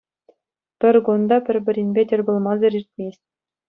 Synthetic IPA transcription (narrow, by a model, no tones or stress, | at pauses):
pʲɘ̆rʲɡond̪ɑbʲɘ̆rʲbʲɘ̆ɾʲinʲbʲetʲɘ̆rʲbŏlˠmɑzɘ̆ɾirʲt̪ʲmʲesʲtʲ